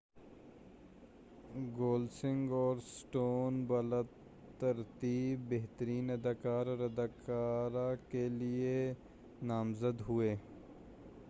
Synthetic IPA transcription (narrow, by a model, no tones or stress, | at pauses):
ɡoːlsɪ̃ŋɡɔːɾsʈoːnbɐləd̪ | t̪ːɐɾt̪iːbːeɦt̪əɾiːnɐd̪aːkaːɾɔːɾɐd̪aːkaːɾakelie | naːmzəd̪ɦʊeː